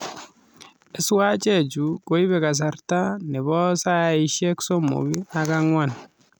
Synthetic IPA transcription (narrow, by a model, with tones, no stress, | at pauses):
e˨swa˦t͡ʃet͡ʃuko˦i˦βɛ˨ka˨s̬arta˦ne˨βɔ˦saiʃjɛksomo̰˨βi˦akaŋwan